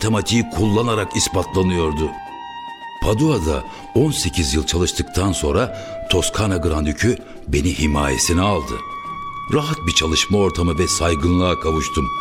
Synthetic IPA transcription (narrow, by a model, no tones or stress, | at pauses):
t̪ʰemat̪ʰijikʰulˠːanaɾakispat̪ʰlˠanɯjo̞ɾd̪ʊ | pʰad̪uad̪a̰ | o̞nse̞cʰizjɯlˠt͡ʃʰalˠɯʃt̪ʰɯk̚t̪ʰanso̞nɾa | t̪ʰo̞skʰanaɡɯɾand̪ycʰy | be̞nihimaːje̞̰sinɛalˠd̪ɯ̰ | ɾaɦat̪̚bit͡ʃʰalˠɯʃmao̞ɾt̪ʰamɯvɛsajɡɯnlˠaakʰavɯʃt̪ʰɯm